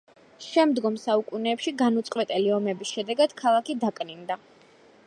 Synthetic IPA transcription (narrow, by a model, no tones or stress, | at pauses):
ʃɛmd̪ɡɔmsaukʼunɛːpʃiɡanut̪sʼqʼwɛt̪ʼɛliɔmɛbisʃɛd̪ɛɡad̪̥kʰalˠakid̪akʼnind̪a